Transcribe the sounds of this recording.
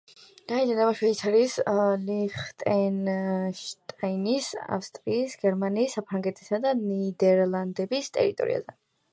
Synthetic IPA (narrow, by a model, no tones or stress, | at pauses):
naid̪anamaʃwɛit̪sʰaɾisliχt̪ʼɛnʃt̪ʼainisa̰fst̪ʼɾiːsɡɛɾmaniːsːapʰɾaŋɡɛt̪ʼi̥sad̪anid̪ɛɾlˠand̪ɛbist̪ʼɛ̰ɾit̪ʼɔ̰ɾḭa̰zɛ